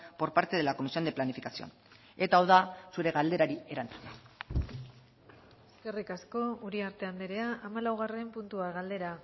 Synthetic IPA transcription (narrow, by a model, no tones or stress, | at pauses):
po̞ɾpaɾt̪e̞ðe̞lako̞misiond̪eplanifikasio̰n | e̞t̪aowðasuɾe̞ɣald̪e̞ɾaɾie̞ɾant͡su̥na | eske̞rikasko̞uɾiaɾt̪e̞and̪eɾe̞aʔamalawɣ̞are̞mpunt̪uaɣald̪e̞ɾa